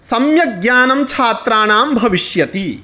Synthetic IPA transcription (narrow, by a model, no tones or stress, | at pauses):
sɐmjɐɡjaːnɐmt͡ʃʰaːt̪ɾaːnaːmbʱɐʋiʃjɐt̪i